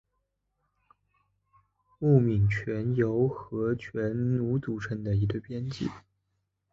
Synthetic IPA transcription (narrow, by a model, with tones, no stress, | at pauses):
u˥˩mi˨˩ŋt͡ɕʰɥɛ˧˥njo˧˥ʊxɤ˧˥t͡ɕʰɥɛ˧˥nnu˧˥t͡su˨˩ʈ͡ʂʰə˧˥ŋd̪ə˨i˧˥ɡə˧pjɛ˥nt͡ɕḭ˥˩